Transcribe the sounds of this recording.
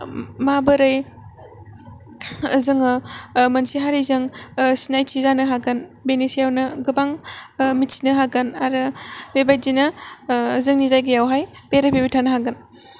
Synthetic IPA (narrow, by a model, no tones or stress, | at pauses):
mabɐɾɐj | zɯŋɐmɐnsiɦaɾizɐŋsinajtʰizanɐɦaɡɐnbenesijawnɐɡɯbaŋmitsi̥nɐɦaɡɐnaɾɯbebaj̚zinɐ | zɯŋnizajɡɐjawɦaj | peɾɐbʰebitʰanɐɦaɡɐn